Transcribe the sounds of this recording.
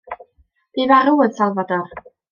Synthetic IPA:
b̥iːvaɾʊəðsalˠvadɔr

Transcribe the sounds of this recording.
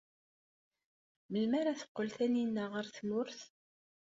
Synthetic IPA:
məlmæɾaθə̥qːəlθæninːæʁəɾθmʊɾθ

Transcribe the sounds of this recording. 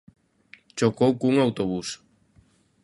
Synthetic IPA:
t͡ʃokowkuŋawt̪oβus

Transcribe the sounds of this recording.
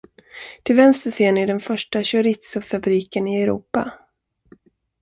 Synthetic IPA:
t̪ʰɪlvɛnst̪əseːnɪɖɛnfœʂʈaɕɵɾɪt̪sʊfabɾiːkənɪɛɾṵːpa̰

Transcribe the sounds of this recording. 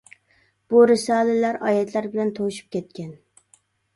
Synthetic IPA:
b̥uɾɪsɑːlɪlæɾɑːjɛt̪ʰlæɾbɪlɛnt̪ʰowʃy̥p̚kʲʰɛt̪̚kʲɛn

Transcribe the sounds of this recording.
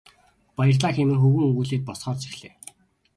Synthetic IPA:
pajə̆rɮaːxemɘ̆ŋxɵwɘ̆ŋɵŋɣuːɮeːt̪̚pɔsχɔːrt͡si̥xɮeː

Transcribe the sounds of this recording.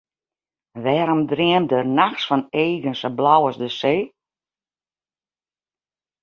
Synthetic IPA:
ʋɛːɾɔmdriəmdərnaxsfɔneːɣənsəblawɔsdəseː

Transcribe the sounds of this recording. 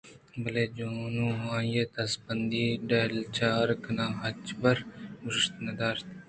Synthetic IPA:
bəleːd͡ʒoːnũːɦãːjeːt̪ɐsbənd̪iːɖeːlt͡ʃaːɾkənãːɦɐt͡ʃbəɾɡʊɾɪʃt̪nəd̪aːɾt̪ː

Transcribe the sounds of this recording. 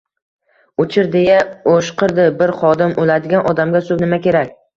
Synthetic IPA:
ʊt͡ʃʰɪɾd̪ejaoʃqʰɨɾd̪ɪbɪɾχɒd̪ɪmolad̪ɪɡʲanʔɒd̪amɡʲasʊbnɪmakʲʰe̞ɾakʲ

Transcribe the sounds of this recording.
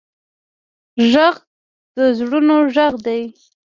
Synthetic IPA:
ʒaɣ | d̪̥əzɽunoʒaɣd̪aj

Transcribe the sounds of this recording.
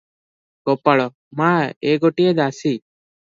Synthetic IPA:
ɡopːaɭɔ | mãːeːɡoʈied̪aːsiː

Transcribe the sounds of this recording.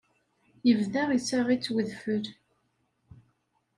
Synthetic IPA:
jəvðæʁisæʁit͡sːwəðfəɾ

